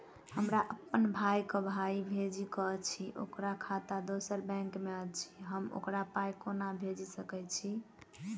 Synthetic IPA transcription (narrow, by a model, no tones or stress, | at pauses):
həmɾaʔəpːənbʱajkəbʱaibʱed͡ʒikɔt͡ʃʰiʔo̰kɾakʰat̪ad̪osəɾbɛ̃ŋkmeət͡ʃʰi̥ɦəmo̰kɾapajkonabʱed͡ʒisəkɛt͡ʃʰi